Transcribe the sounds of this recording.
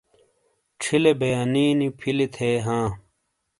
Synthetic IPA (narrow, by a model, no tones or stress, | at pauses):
ʈ͡ʂʰilebɐjaːniːnipʰilit̪ʰeːɦãː